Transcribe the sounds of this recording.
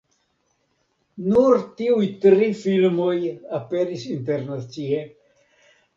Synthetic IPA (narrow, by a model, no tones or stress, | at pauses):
nuɾtiujtɾifilmo̞jape̞ɾisinte̞ɾnat͡sie